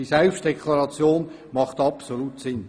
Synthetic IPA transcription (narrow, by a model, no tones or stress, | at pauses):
isɛlfʃd̥ɛkʰlɑɾɑt͡sjoːn | mɑχt̪ɑpsolutsɪn